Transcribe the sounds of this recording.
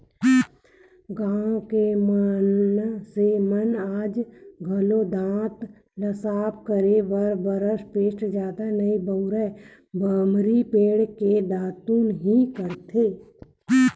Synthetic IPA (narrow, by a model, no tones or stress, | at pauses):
ɡãːõkemənsemənaːd͡ʒɡʱəlod̪ãːt̪ | ləsaːpkəɾeʋəɾbəɾəʃpeːʈd͡ʒaːd̪anəibəɾɛ | bəmɾipeːɽked̪ãːt̪ũnəɦĩkəɾt̪ʰeː